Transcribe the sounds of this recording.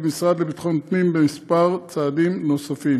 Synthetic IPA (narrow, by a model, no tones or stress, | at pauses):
misʁad̪lebit̪χont̪nimbemispaʁt͡saːdimno̞safi